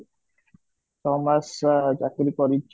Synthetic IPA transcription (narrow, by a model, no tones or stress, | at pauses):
t̪ɔmasd͡ʒakɾikɔɾit͡ʃ